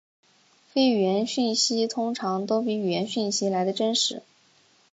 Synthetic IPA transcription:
fe˥ɪy˨˩ɥɛ˧˥nɕy˥˩nɕi˥t̪ʰʊ˥ŋʈ͡ʂʰɑ˧˥ŋt̪o˥ʊpi˧˥y˨˩jɛ˧˥nɕy˥˩nɕi˥la˧˥ɪd̪ə˧ʈ͡ʂə˥nʂɻ̩˧˥

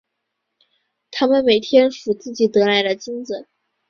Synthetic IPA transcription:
t̪ʰa˥mə˨nme˨˩ɪt̪ʰjɛ˥nʂu˨˩t͡sɹ̩˥˩t͡ɕi˨˩t̪ɤ˧˥la˧˥ɪd̪ə˧t͡ɕi˥nt͡sə˨˩˦n

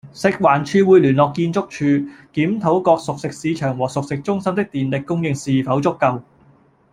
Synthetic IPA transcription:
sɪ˨k̚waː˨˩nt͡ʃʰyː˧wuː˨˧jlyː˨˩nlɔː˨kːiː˧nt͡sʊ˥k̚t͡ʃʰyː˧kiː˨˥mt̪ʰo˨˥wkɔː˧k̚sʊ˨k̚sɪ˨k̚siː˨˧t͡ʃʰœː˨˩ŋwɔː˨˩sʊ˨k̚sɪ˨k̚t͡sʊ˥ŋsɐ˥mt̪ɪ˥k̚t̪iː˨nlɪ˨kːʊ˥ŋjɪ˧ŋsiː˨˩fɐ˨˥wt͡sʊ˥kːɐ˧w

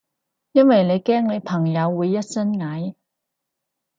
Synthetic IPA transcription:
jɐ˥nwɐ˨jne˨˧jkɛː˥ŋne˨˧jpʰɐ˨˩ŋjɐ˨˧wːuː˨˧jːɐ˥t̚sɐ˥nŋɐ˨˥j

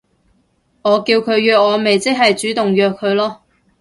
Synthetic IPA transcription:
ŋɔː˨˧kiː˧wkʰɵ˨˧ɥjœː˧k̚ŋɔː˨˧me˨jt͡sɪ˥k̚ɦɐ˨jt͡ʃyː˨˥t̪ʊ˨ŋjœː˧kʰːɵ˨˧ɥlɔː˥

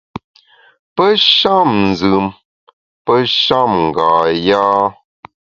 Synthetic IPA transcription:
pə˦ʃa˦˨mn̩˨zɨ˨m | pə˦ʃa˦˨mŋ̩˨ɡaː˨jaː˦

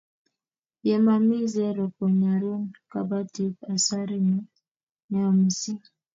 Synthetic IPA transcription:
jɛ˨ma˨mi˦zɛ˦ɾɔ˨kɔ˨ɲa˨ɾo˦nka˦ba˦ti˦p̚a˨sa˦ɾi˦mɔ˦ | nɛ˨ɔ˨mi˨si˦

